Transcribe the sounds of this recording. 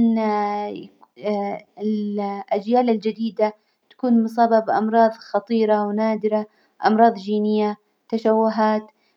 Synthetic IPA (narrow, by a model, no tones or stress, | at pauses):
n | ɪʔad͡ʒjaːlɪld͡ʒad̪iːd̪a | t̪ḁkuːnms̬ˤɑːbabʔɑmɾˤɑːðˤxɑt̪ˤiːɾawnaːd̪ɪɾa | ʔɑ̰mɾˤɑːðˤd͡ʒiːnɪjːa | t̪aʃawːʊɦaːt̪